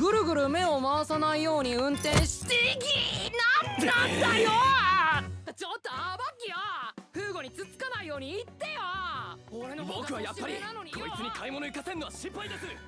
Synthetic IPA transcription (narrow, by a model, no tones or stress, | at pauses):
ɡɯ̟ɾɯ̟ɡɯ̟ɾɯ̟me̞o̞maβasanaijo̞ːɲ̟iɯ̟̃nt̪ẽ̞ɰ̃ɕi̥t̪eɡʲinaaajo | t̪at͡ɕo̞t̪ːoabakʲiβaɸɯ̟ːɡo̞ɲ̟it͡sɨt͡sɨ̥kanaijo̞ːɲ̟iːt̪ːejaoɾebokkɯ̟βajapːaɾinanoɲikʰoit͡sɨɲikʰaimo̞noikasenːo̞βaɕĩmpːaid̪esɨ